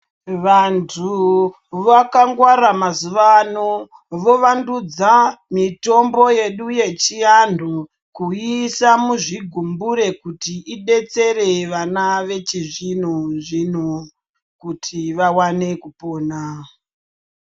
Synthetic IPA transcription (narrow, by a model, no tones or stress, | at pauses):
ʋantʰu | ʋakaŋɡwaɾamazuʋano | ʋo̞ʋandud͡zamito̞mbo̞je̞ɗuje̞t͡ʃiando | kuisamuʐiɡʱumbuɾe̞kutiʔiɗe̞t͡se̞re̞ʋanaʋe̞t͡ʃiʐin̤uʐin̤u | kutʰiʋawane̞kupo̞ːna